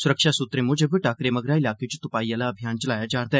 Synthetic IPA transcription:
sʊɾəkʃasʊt̪ɾemʊ̃d͡ʒəbəʈaːkɾemɐɡɾaɪlaːket͡ʃo̥t̪ʊpaːijãlaɐbʱjaːnt͡ʃɐlaːjad͡ʒaːɾd̪a

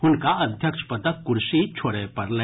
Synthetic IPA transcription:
ʊnkaɐd̪ʱjəkʃpɐt̪əkːʊɾʃit͡ʃʰoːɽepɐɾlɐ

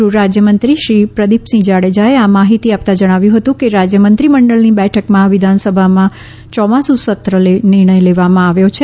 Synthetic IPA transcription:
uɾad͡ʒjəmənt̪ɾiʃɾipɾəd̪ipsĩd͡ʒaɭed͡ʒaeamaɦit̪iap̚t̪ad͡ʒəɽ̃aʋjũɦət̪ũkeɾad͡ʒjəmənt̪ɾiməɳɖəɭnibɛʈʰəkmãʋɪd̪ʱansəbʱamã | t͡ʃɔmãsũsət̪ɾəlenɪɾɳ̃əjleʋamãaʋjot͡ʃʰe

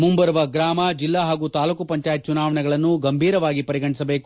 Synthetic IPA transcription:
mumbɐɾuʋɐɡɾaːmɐd͡ʒilːaɦaːɡuːt̪aːlukupɐɲt͡ʃaːjt̪̚t͡ʃunaːʋɐɳɛɡɐɭɐnːuɡɐmbʱiːɾɐʋaːɡipɐɾiɡɐɳisɐbeːku

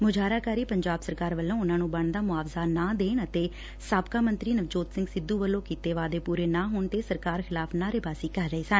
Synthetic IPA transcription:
mʊd͡ʒaːɾaːkaːɾiːpəɲd͡ʒaːbsəɾkaːɾʋəlːõːʊnãːnũːbəɳd̪aːmʊaːʋzaːnãːd̪eːɳət̪eː | saːbkaːmənt̪ɾiːnəʋd͡ʒoːt̪sɪ̃ŋɡsɪd̪ːuːʋəlːõːkiːt̪eːʋaːd̪eːpuːɾeːnãːɦoːɳt̪eːsəɾkaːɾxʰɪlaːpʰnaːɾebaːsiːkəɾːəeːsən

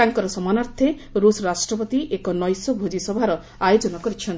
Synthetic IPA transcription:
aŋkɔɾɔsɔmanaɾt̪ʰe | ɾusɔɾasʈɾɔpɔt̪iʔekɔnɔjsɔbʱod͡ʒisɔbʱaɾɔ | ajod͡ʒɔnɔkɔɾit͡ʃʰɔn

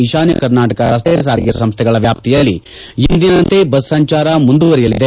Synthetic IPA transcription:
iʃaːnjɐ̰kɐɾnaːʈɐkɐɾɐst̪esaːɾijɐsɐmst̪ʰɛɡɐɭɐʋjaːp̚t̪ʰijɐlːi | ind̪inɐnt̪ebɐsːɐɲt͡ʃaːɾɐmund̪uʋɐɾɛjɐlid̪e

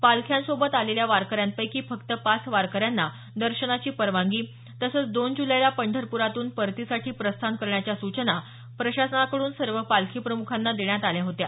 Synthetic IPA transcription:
palkʰjansobət̪aleljaʋaɾkəɾjãnpəjkiːfəkt̪əpasʋaɾkəɾjanːa | d̪əɾɕənat͡ɕiːpəɾʋãŋɡiː | t̪əsəːt͡sd̪ond͡ʑuləjlapəɳɖʱəɾpuɾat̪uːnpəɾt̪isaʈʰiːpɾəst̪ʰankəɾɳjat͡ɕjasut͡ɕəna | pɾəɕasənakəɽuːnsəɾʋəpalkʰiːpɾəmukʰanːad̪eɳjat̪aljaɦot̪ja

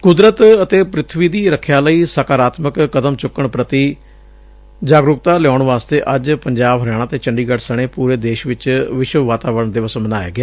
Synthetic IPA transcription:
kʊd̪ɾət̪ət̪eːpɾɪt̪ʰʋiːd̪iːɾəkʰjaːləiːsəkaːɾaːt̪məkːəd̪əmt͡ʃʊkːəɳpɾət̪iː | d͡ʒaːɡɾʊkt̪aːlɪjɔːʊɳʋaːst̪eːʔəd͡ʒpəɲd͡ʒaːbɦəɾjaːɽ̃aːt̪eːt͡ʃəɳɖiːɡəʈsəɽ̃eːpuːɾeːd̪eːʃʋɪt͡ʃʋɪʃʋʋaːt̪aːʋəɾəɳd̪ɪʋəsmənaːja̰ːɡɪaː

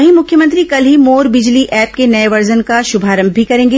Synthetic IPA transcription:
ɦĩmʊkʰjəmə̃nt̪ɾikɐlɦimoːɾbɪd͡ʒliʔɛːp̚kenɐeʋɐɾd͡ʒənkaʃʊbʱaːɾə̃mbʱːikɐɾẽːŋɡeː

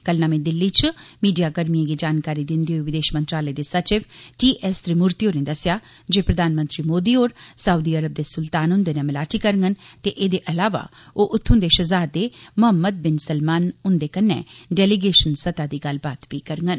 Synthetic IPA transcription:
kəlnaːmẽːd̪ɪlːit͡ʃʰmiːɖijaːkəɾmijẽɡiːd͡ʒaːnkaːɾiːd̪ɪ̃nd̪iːoːʋɪd̪eːʃmə̃nt̪ɾaːləed̪eːsət͡ʃɪʋʈiːʔɛst̪ɾimʊɾt̪ioːɾneːd̪əsɪjaː | d͡ʒeːpɾəd̪ʱaːnmə̃nt̪ɾiːmoːd̪iːoːɾsəud̪iəɾəb̚d̪eːsʊlt̪aːnɦʊ̃nd̪eːnẽːməlaːʈikəɾŋɡənt̪eːʔeːd̪eːʔəlaːʋa̰ːoːʔʊt̪ʰːʊ̃nd̪eːʃəzaːd̪eːmʊɦəmːəd̪̚bɪnsəlmaːnʊnd̪eːkənːḛːɖɛːliɡeːʃənsət̪aːd̪iːɡəlbaːt̪biːkəɾŋɡən

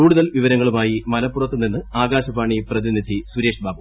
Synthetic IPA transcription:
kuːɽuðɐlʋiʋɐɾɐŋːɐɭumaːjimɐlɐpːurɐt̪ːunːinːɨaːɡaːɕɐbaːɳiprɐðinid̪ʱisuɾe̞ːʂbaːbo

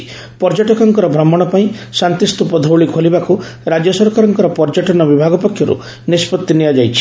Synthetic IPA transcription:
pɔɾd͡ʒaʈɔkɔŋkɔɾɔbʱɾɔmːɔɽ̃ɔpaĩsant̪ist̪upɔd̪ʱowɭikʰolibakuɾad͡ʒjɔsɔɾkaɾɔŋkɔɾɔpɔɾd͡ʒaʈɔnɔbibʱaɡɔpɔkʰːjɔɾṵ | nispɔt̪ːinijad͡ʒajt͡ʃʰi̥

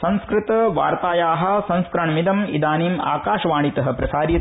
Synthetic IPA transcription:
sɐ̃nskɾɪt̪ɐʋa̰ːɾt̪aːjaːɦɐ̆sɐ̃nskɾɐɳɐmid̪ɐmḭd̪aːniːma̰ːkaːʃɐʋaːɳit̪ɐɦɐ̆pɾɐsaːɾjɐ

